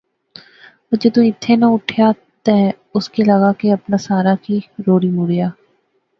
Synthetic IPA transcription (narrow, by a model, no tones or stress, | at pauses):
d͡ʒed̪ũːɪt̪ʰːeːnaʊʈʰjaː | t̪ɛ̃ː | ʊskeləɣaːkeɐpnaːsaːɾaːkiːɾoːɽiːmuɽjaː